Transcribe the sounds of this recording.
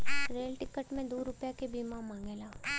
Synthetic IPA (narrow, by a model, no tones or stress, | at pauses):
ɾeːlʈɪkəʈmẽd̪uːɾʊpjakebiːmãmãːŋɡeːlaː